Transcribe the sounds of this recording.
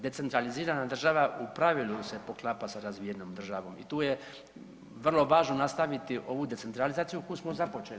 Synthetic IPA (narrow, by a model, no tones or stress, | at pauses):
d̪e̞t̪se̞nt̪ɾaliziːɾanad̪r̩ʒaʋaʔupɾaʋilˠuse̞po̞klˠapasaɾazʋijenoːmd̪r̩ʒaʋo̞ːmḭt̪uːje | ʋr̩lˠo̞ʋaːʒno̞nast̪aʋit̪iʔo̞ʋud̪e̞t̪e̞nt̪ɾalizaːt̪sijukojusmozapo̞t͡ʃe